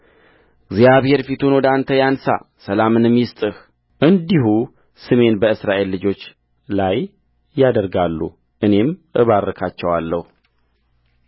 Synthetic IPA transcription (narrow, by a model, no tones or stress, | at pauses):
ɡzijaβhe̞ɾfit̪ʰunwɔd̪ant̪ʰəjansa̰səlamɨnmːjɪst̪ʼɨh | ʔɨnd̪iɦu | sɨme̞nbəɨsɾaʔe̞lːɨd͡ʒo̞t͡ʃː | lajː | ad̪əɾɡalːṵ | ʔɨne̞mʔɨβaɾrːəkʰat͡ʃːɛwalːəhu